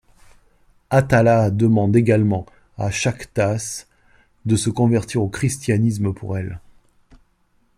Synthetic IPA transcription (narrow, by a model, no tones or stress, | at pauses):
at̪alad̪əmɑ̃d̪eɡalmɑ̃ | a̰ʃakt̪as | d̪əsəkɔ̃vɛʁt̪iʁokχist̪janis̬məpʰṵʁɛl